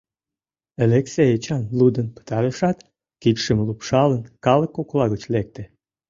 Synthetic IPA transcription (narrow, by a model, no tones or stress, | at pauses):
elekseet͡ɕɑnlud̪ənpə̥t̪ɑɾəʃɑt̪ | kit̪ʃəmlupʃɑlənkɑləkːoklɑɣət͡ɕlek̚t̪ĕ